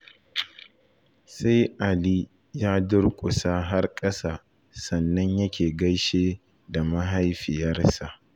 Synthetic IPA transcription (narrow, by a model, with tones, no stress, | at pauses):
sa˦jʔa˨liː˦ | jaː˦dʊ˦rkʷʼʊ˨saː˦ɦa˦rkʼɐ˦saː˦˨ | sɐ˨nːɐ˦ɲjɐ˦kʲʰeː˨ɡɐ˦jʃeː˦ | da˨mɐ˦ɦa˦jɸɪ˨jɐ˦rsa˨ʔ